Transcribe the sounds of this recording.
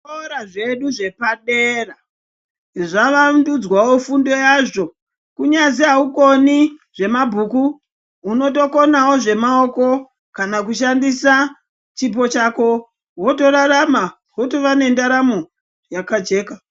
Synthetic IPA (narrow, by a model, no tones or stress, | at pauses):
oɾaʐe̞ɗuʐe̞paɗera | ʐaʋandud͡zwawo̞fundo̞jaʐo̞ | kuɲaziauko̞niʐe̞mabʱuku | uno̞t̬o̞ko̞nawo̞ʐe̞mao̞ko̞ | kanak̬uʃandisa | t͡ʃip̬o̞t͡ʃako̞ | wo̞to̞rarama | ɦoto̞ʋane̞ndaɾamo | jakad͡ʒe̞ːka